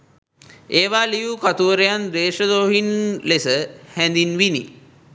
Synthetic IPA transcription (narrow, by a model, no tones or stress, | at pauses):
eːʋaːlijukat̪uʋəɾejand̪eːʂəd̪oːɦinlesəhɛnd̪inʋinḭ